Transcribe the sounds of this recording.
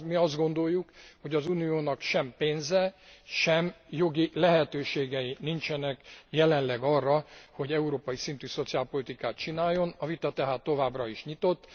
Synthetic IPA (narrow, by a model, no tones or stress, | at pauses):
miɒzd̪ɡo̞nd̪o̞jːukho̞ɟɒzunijoːnɒkʃɛmpeːnzɛʃɛm | jo̞ɡilɛɦɛt̪øːʃeːɡɛinint͡ʃɛnɛkjɛlɛnlɛɡɒrːɒho̞ɟɛuɾoːpɒjisint̪yːso̞t̪sijaːlpo̞lit̪ikaːt̪t͡ʃinaːjːo̞nɒvit̪ɒt̪ɛɦaːt̪ːo̞vaːbrɒiʃɲit̪o̞t̪ː